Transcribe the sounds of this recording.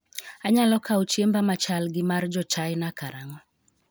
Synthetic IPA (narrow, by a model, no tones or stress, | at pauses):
aɲalɔkaut͡ʃiembamat͡ʃalɡɪmaɾd͡ʒɔt͡ʃajnakaɾaŋɔ